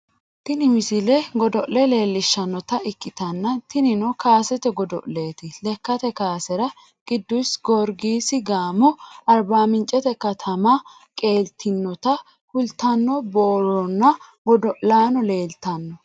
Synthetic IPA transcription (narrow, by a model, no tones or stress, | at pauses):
t̪ɪnɪmɪsɪlɛɡɔd̪ɔʔlɛle̞ːlːɪʃːɐnːɔt̪ɐɪkːɪt̪ɐnːɐt̪ɪnɪnɔkaːsɛt̪ɛɡɔd̪ɔ̰ʔle̞ːt̪ɪlɛkːɐt̪ɛkaːsɛɾɐ | ɡ̥ɪd̪ːʊjsɡɔɾɡiːsɪɡaːmɔɐɾbaːmɪnt͡ʃʼɛt̪ɛkɐt̪ʰɐmɐ | kʼe̞ːlt̪ʰːɪnːɔt̪ɐ | hʊlt̪ɐnːɔboːɾɔnːɐ | ɡɔd̪ɔʔlaːnɔle̞ːlt̪ɐnːɔ